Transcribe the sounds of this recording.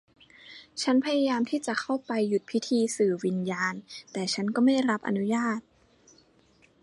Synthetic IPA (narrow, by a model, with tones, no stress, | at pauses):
t͡ɕʰa˦˥npʰa˧ja˧jaː˧mt̪ʰiː˥˩t͡ɕa˨˩kʰa˥˩wpa˧jːu˨˩t̪̚pʰi˦˥t̪ʰiː˧sɯː˨˩wi˧njaː˧nt̪ɛː˨˩t͡ɕʰa˦˥nkɔː˥˩ma˥˩jɾa˦˥p̚ʔa̰˧nu˦˥jaː˥˩t̪̚